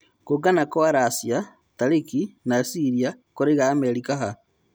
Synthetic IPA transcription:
koɡanakoaɾasia | taɾikinasiɾia | koɾeɣaːmeɾikaɦa

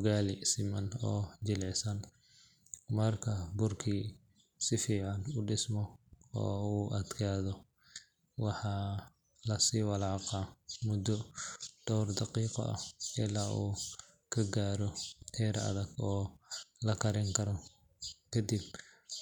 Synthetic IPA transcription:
ɣaːlɪsɪmɐnɔːd͡ʒɪlʕɪsɐn | mɐrkʰɐbʊrkʰiː | sɪfiːʕɑnʊɖɪsmɔɔ̰ːuːʔɐd̪kʰaːðɔ | wɑħɑː | lɐsiːwɑlɑːqɑmʊd̪ɔd̪̥ɔwrd̪ɑqiːqɔ̰ʔɐ̰hɪlaːʔuː | kʰɐɡaːɾɔt̪ʰɛːɾɐ̰ðɐɡɔːlɐkʰɐɾɪŋkʰɐɾɔ | kʰɐd̪ib̚

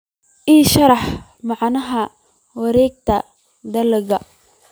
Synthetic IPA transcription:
ʔiːʃɐɾɑħ | mɑʕnɐɦɐ | wɑɾɛːɡ̚t̪ʰɐ | d̪ɐlɣɐ

